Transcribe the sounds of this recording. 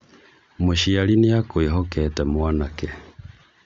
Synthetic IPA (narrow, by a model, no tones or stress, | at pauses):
moʃialinejakweɦɔkɛtɛmwanakɛ